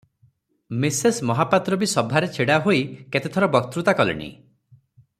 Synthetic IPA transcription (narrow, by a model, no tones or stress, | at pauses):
misesmɔɦapat̪ɾobisɔbʱaɾet͡ʃʰiɽaɦoiket̪et̪ʰɔɾɔbɔk̚t̪ɾut̪akɔlḭɽ̃ḭ